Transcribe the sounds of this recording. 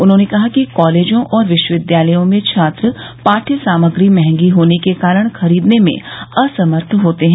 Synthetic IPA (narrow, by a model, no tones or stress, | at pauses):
ʊnɦõːnekɐɦakikɔːleːd͡ʒõʔɔːɾʋɪʃwəʋɪd̪jaːləjõmẽt͡ʃʰaːt̪ɾəpaːʈʰəsaːməɡɾimɛɦɛ̃ŋɡiɦoːnekekaːɾəɽ̃xɐɾiːd̪nemḛ̃ɐsɐməɾt̪ʰɦoːt̪eɦɛ̃ː